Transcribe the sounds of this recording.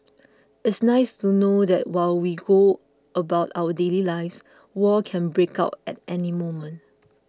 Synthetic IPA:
ɪtsnaɪstunodɛt̚waɪlwiɡo | əbaʊtawədelilaɪfs | wɔkʰɛ̃nbɹeka̰ʊt̚ɛ̰t̚ɛnimomə̃n

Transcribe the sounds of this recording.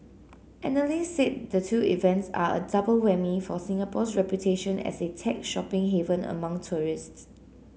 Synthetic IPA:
ʔɛ̃nəliset̚dətʰuːḭvɛ̃ntsa̰ə̰dabəlwɛmifɔsĩŋapʰɔsɹɛpjutʰeʃə̃nɛ̰setʰɛk̚ʃɔpɪ̃ŋɦevə̃nə̰mãŋtʰuɹists

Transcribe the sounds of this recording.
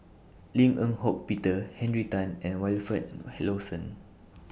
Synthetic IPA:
lĩŋə̃nhok̚pitəhɛ̃nɹitãnɛ̃nwɛlfət̚hɛlosə̃n

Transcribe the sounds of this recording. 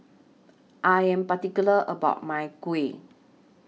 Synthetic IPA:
ʔajɛ̃mpat̪ikuləʔəba̰ʊʔ̚majkwe

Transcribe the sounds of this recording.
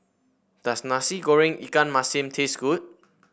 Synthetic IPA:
d̥asnasiɡoɹĩŋḭkãnmasĩmtʰesɡ̥ut̚

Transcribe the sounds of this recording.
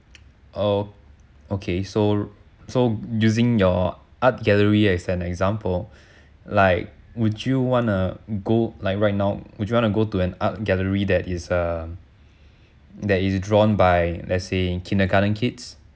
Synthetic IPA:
ʔo | okʰeso | sojuzɪ̃ŋjɔat̚ɡɛləɹiɛsɛ̃nɛkzãmpəl | laɪk̚ | wudjuwɔ̃nəɡolaɪk̚ɹajt̚naʊwud͡ʒjuwɔ̃nuɡotuɛ̃nat̚ɡɛləɹidɛtɪsʌ | dɛtisdɹɔ̃nbajlʔɛ̰tsekʰĩndəkanə̃nkʰits

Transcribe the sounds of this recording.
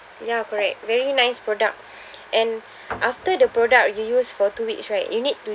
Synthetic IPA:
jakɔɹɛk̚vɛɹinãɪspɹɔdak̚ | ʔɛ̃n | ʔaftədəpɹɔdak̚jujusfɔtuwiksɹaɪtjunid̚tu

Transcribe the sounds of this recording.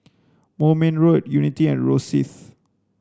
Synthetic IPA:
momɛ̃nɹodjunitiɛ̃nɹosḭθ

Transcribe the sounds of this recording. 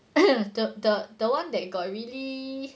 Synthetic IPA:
dədədəwãndɛt̚ɡɔt̚ɹili

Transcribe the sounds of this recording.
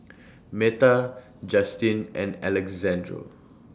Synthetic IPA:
mɛta | d͡ʒastĩnɛ̰̃nɛlɛkzɛ̃ndɹo̰

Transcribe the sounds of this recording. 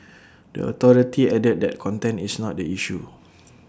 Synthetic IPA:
də̰ɔ̰t̪ɔɹitiɛdət̚dɛ̰t̚kʰɔ̃ntɛ̃nisnɔt̚dəiʃu

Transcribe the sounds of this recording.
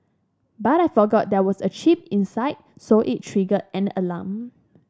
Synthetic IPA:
batajfɔɡɔt̚dɛwɔsət͡ʃip̚ĩnsaɪt̚soʔit̚tʰɹiɡətɛ̃nə̰lã̰m

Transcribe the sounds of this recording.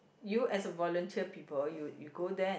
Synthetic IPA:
juɛsəvɔlə̃ntʰiəpipəljujuɡodɛ̃

